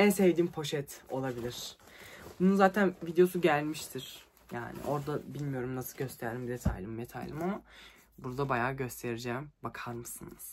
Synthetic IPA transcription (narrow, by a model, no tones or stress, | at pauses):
ɛsevd̪impʰo̞ʃɛt̪o̞lˠabilʲiɾ̥ | bununzaːt̪ʰænvid̪ejo̞suɟælʲmiʃt̪ʰiɾ̥ | ja̰ːnɪ̰ʔo̞ɾd̪abilʲmijo̞ɾumnasɯlˠɟø̞st̪ʰæɾlʲimd̪et̪ʰa̰jlʲimːet̪ʰa̰jlʲˠimama | buɾd̪abajaːɟø̞st̪ʰe̞ɾid͡ʒɛːmbakʰaɾmɯsɯnɯz̥